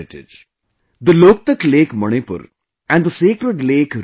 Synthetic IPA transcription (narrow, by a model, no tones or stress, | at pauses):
ɪʈɪ̰d͡ʒ | d̪əloːk̚t̪əkleːkmɐɽ̃epə̰ɾ | ɛ̃ɳɖd̪əseːkɾəʈleːkɾ